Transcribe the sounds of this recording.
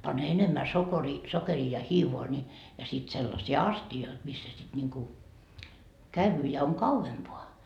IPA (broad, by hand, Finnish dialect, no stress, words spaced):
pɑn enemːæ sokeriː sokeriː jɑ hiːʋoɑ ni jɑ sit selːɑsiː ɑstioit misːæ sit nʲiŋku kæyʋyː jɑ oŋ kɑuʋempoɑ